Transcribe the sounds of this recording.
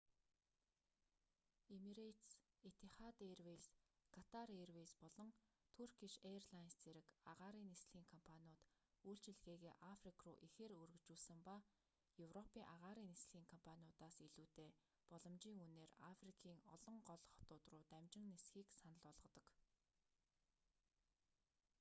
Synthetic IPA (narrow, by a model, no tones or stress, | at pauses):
emiɾet̪s | et̪ʰeχat̪erweskʰat̪ʰarerwespɔɮɞ̆ŋt̪ʰɵr̥ɡiʃerɮajnst͡seɾɘ̆kaʁaːɾiːnesɮ̥xʲiːŋkʰɔmpʰanʲiʊːt̪uːɬt͡ɕɪ̆ɮɣeːɣeːʔafrikʰrṵːʔixeːɾɵrɘ̆t͡ɕuːɮsɘ̆mpa | jɵwrɔpʰiːŋʔaʁaːɾiːnesɮ̥ɣʲiːŋkʰɔmpʰaniʊt̪aːsiɮuːt̪eː | pɔɮɞ̆mt͡ɕiːŋuneːrafrikʰiːŋɔɮɞ̆ɴɢɔɮɞ̆χɔ̥t̪ʊːt̪rʊːt̪æmʲt͡ɕɪ̆ŋnesxiːksanə̆ɮɔɮʁɞ̆t̪ɞ̆k